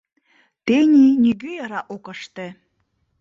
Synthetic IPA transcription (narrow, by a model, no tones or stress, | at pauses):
t̪enʲinʲyɡøjɑɾɑʔokɤ̆ʃt̪ĕ